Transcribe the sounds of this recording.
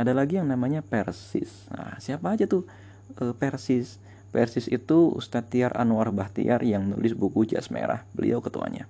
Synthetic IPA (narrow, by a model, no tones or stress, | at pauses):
adalaɡijaŋnamaɲapɛrsɪ̰s | a̰siapaːd͡ʒat̪ʊh | əpɛrsɪs | pɛrsɪsit̪uṵst̪at̪iarʔa̰nuarbaht̪ḭarjaŋnṵlɪsbukud͡ʒa̰smḛɾa̰hbəlḭʔawkət̪ua̰ɲa̰